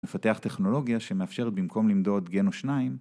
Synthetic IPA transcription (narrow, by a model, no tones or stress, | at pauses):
mefat̪eaχt̪e̞χno̞lo̞ɡijaʃe̞meafʃeʁet̪̚bimko̞mlimd̪o̞t̪ɡe̞noʃnaim